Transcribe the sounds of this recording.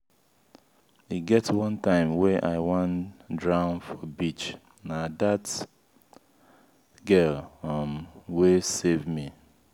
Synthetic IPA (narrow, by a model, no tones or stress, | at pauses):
iɡɛtswʌ̃ntãɪ̃mwɛʔaɪwãndɹãʊ̃nfɔbit͡ʃ | nadat | ɡɜlmwesevmi